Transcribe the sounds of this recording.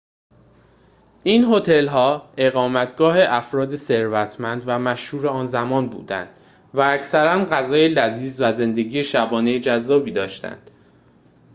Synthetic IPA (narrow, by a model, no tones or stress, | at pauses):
ʔiːnɦot̪ʰe̞lɦɒːe̞ɣɒːmæt̪ʰɡ̥ɒːɦe̞ʔæfɾɒːd̪e̞se̞ɾvæt̪ʰmænd̪væmæʃhuːɾeɒːnzæmɒːnbṵːd̪æ̰nd̪̥ | væːcsæɾænɢæzɒːjelæziːzvæze̞nd̪e̞ɡiːje̞ʃæbɒːne̞jed͡ʒæzːɒːbiːd̪ɒːʃt̪æ̰nd̪̥